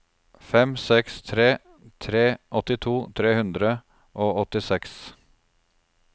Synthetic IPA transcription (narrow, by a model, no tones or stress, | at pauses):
fɛmsɛkst̪ʰɾeː | t̪ʰɾeːʔɔt̪ɪt̪ʰuːt̪ʰɾeːhʉnd̪ɾə | ʔoːɔt̪ɪsɛks